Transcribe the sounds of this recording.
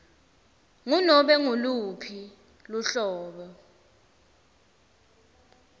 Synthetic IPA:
ŋunɔɓɛŋulupʰi | luɬɔːɓɔ

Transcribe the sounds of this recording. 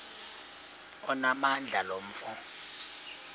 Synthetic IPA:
ɔnamand͡ɮʱalom̩fɔ

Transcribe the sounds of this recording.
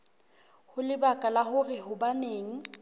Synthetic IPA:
hʊlɪbakʼalahʊrɪhʊbaneːŋ̩

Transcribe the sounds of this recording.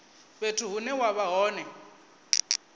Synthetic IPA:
betʰʊɦʊnɛwaβaɦɔːnɛ

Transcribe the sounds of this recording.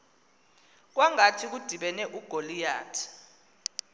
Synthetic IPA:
k̬waŋatʰik̬ud̥ʱiɓɛnɛʔuɡ̥ʱolija̰ːtʰḁ

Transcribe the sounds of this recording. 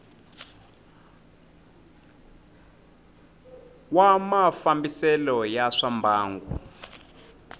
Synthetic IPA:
wamafambisɛlɔjaʂambʱaːŋɡṵ

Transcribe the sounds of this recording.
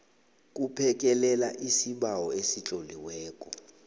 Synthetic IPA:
k̬ʼupʰɛk̬ʼɛlɛlaʔisiɓawɔesit͡ɬʼoliwɛːkʼɔ

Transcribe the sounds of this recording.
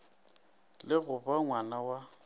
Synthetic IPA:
lɪɣʊbaŋwanawa

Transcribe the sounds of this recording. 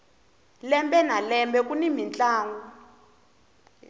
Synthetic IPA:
lɛmbɛnalɛmbɛkʼunimint͡ɬʼaːŋɡu

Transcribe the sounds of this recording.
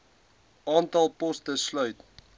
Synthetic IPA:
ɑːntɐlˠpɔstəslœɥt

